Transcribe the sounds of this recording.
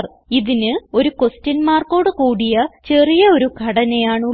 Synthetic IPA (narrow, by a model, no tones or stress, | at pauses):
r | iðinɨo̞ɾuko̞stɐnmaːrko̞ːɽɨkuːɽijɐt͡ɕe̞rijɐo̞ɾuɡʱɐɽɐnejaːɳ